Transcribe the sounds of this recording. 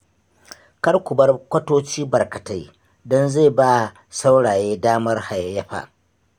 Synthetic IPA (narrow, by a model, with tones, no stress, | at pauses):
kɐ˦rkʷʊ˨bɐ˦rkʷɐ˦toː˦t͡ʃiː˦bɐ˨rkɐ˨ta˦j | dɔ˦nza˦˨baː˦˨ | sa˦wɽaː˨jeː˦daː˦mɐ˦rha˨jjɐ˦ɸa̰ː˨ʔ